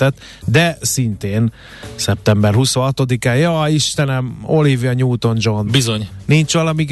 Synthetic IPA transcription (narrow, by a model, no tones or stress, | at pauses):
t̪ɛt̪ː | d̪ɛsint̪eːn | sɛp̚t̪ɛmbɛrhuso̞ɦɒt̪o̞d̪ikaːjɒːiʃt̪ɛnɛmo̞livjɒɲuːt̪o̞nd͡ʒo̞nbizoɲnint͡ʃʋɒlɒmiɡ